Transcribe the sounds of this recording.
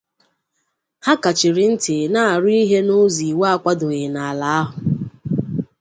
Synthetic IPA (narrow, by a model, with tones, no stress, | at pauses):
ha˦ka˨t͡ʃɪ˨ɾɪ˨n̩˦tɪ˨na˦˨a˨ɾʊ˦i˦ɦe˦nʊ˦zi˨wa˦kʷa˦dʊ˨ɣɪ˨na˨a˨la˨a˦ɦʊ˨